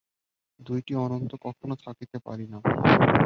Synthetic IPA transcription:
d̪ujʈiɔnont̪okɔkʰonot̪ʰakit̪epa̰ɾina

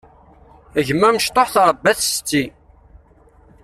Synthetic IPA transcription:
əʝəmːæməʃt̪ˤoħθɾˤbːæθst͡sːi

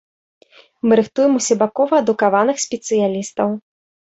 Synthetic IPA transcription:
mɨɾɨxt̪ujɛmusʲɛbakɔvɐːd̪ukavanɨxsʲpʲɛt̪sɨjalʲist̪ɐw

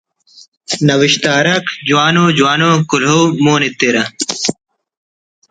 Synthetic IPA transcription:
nɐwiɕt̪aːɾɐkd͡ʑuwaːnoːd͡ʑuwaːnoːkulɦoːmoːnit̪ːeɾɐ

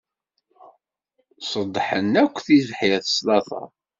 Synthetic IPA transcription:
səd̪ˤːħə̰nːækʷːθizħjθə̥slɑθɑ̰ˤ

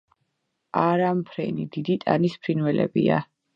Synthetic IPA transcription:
aɾampʰɾɛnḭd̪id̪it̪ʼa̰nispʰɾinvɛlɛ̰bia̰

